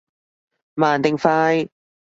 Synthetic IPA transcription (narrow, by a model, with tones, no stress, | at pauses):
maː˨˩nt̪ɪ˧ŋfaː˥j